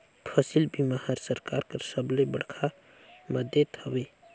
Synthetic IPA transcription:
pʰəsilbimahaɾsəɾkaɾkəsəblebəɽ̤kʰa | məd̪jet̪ʰəbe

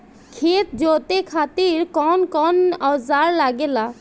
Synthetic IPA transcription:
kʰet̪̚d͡ʒot̪ekʰat̪iɾkɔnkɔnɔzaɾlaɡela

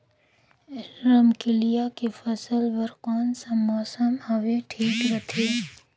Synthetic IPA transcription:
ɪlɾəmkɪlijakefɐsəlʋəɾkaːnsãmɔːsəmhɐʋeʈʰiːkɾɐt̪ʰeː

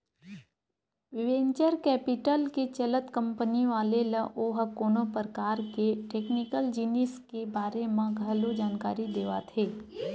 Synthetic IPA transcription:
ʋɪʋẽːɲt͡ʃəɾkɛːpɪʈəlket͡ʃələt̪kɐ̃mpəniʋaːleləʔoːɦəkoːnõpɾəkaːɾkeʈeːknɪkəld͡ʒinɪskebaːɾemãɡʱɐlod͡ʒaːnkaːɾid̪eːʋat̪ʰeː

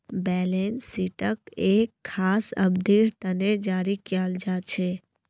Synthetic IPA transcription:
bɛlensiʈəkekʰːaːsə̰bd̪ʱiɾt̪əned͡ʒaːɾikjaːld͡ʒat͡ʃʰe

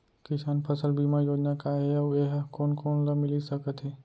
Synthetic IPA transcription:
kɪsaːnpʰəsəlbʱimãjoːd͡ʒnakaɦɛɐeɦkoːnkoːnləmɪlisəkət̪ɦɛː

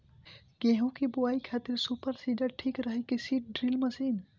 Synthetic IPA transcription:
keɦũkibuaikʰat̪iɾsupəɾsiɖəɾʈʰikɾəɦəkesiʈ̚ɖɾilməsin

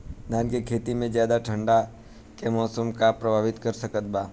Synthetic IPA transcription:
d̪ʱaːnkekʰeːt̪imẽzjaːd̪aʈʰə̃ɳɖa | kemɔːsəmkapɾɐbʱaːʋɪt̪kəɾsəkət̪̚baː

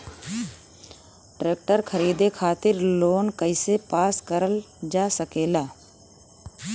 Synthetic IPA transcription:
ʈɾeːk̚ʈəɾkʰəɾiːd̪ekʰaːt̪ɪɾloːnkəɪsepaːskəɾəl | d͡ʒaːsəkeːlaː

